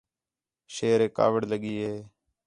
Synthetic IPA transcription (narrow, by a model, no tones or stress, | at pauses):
ʃeːɾeːka̰ːʋəɽləɠiːɦeː